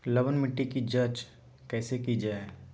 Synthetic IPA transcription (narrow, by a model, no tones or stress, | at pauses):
lɐʋənmɪʈːikid͡ʒɐt͡ʃ | kɛːsekid͡ʒaːe